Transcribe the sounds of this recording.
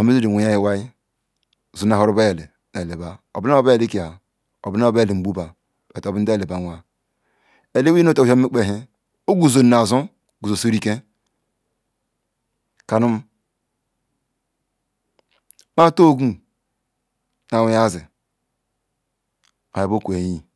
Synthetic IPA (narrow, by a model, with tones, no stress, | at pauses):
a˨me˦zi˦di˨u˨ja˦ji˨wa˦ji˦˨ | zu˨n˨a˨ɦo˦ɾu˦ba˦je˨le˨ | na˨e˨ba˦o˨bi˦n˦o˦ba˦je˨le˦ki˨a˨ | o˨bi˦n˦o˦be˦˨le˨m̩˨ɡ͡bu˦ba˨ | o˨to˨bi˦n̩˦da˦˨e˨ba˦nʷa˦ | e˨le˦wi˦o˦to˨˦a˦i˦k͡pe˦˨ɦe˦ | o˦ɡu˨zo˨n˨na˨zu˦ | ɡu˨zo˨so˦ɾi˦ke˦ | ka˨nu˦m˦ | ma˦to˦ɡu˦ | na˨wja˦zi˨ | a˨i˨bo˦kʷe˨ji˦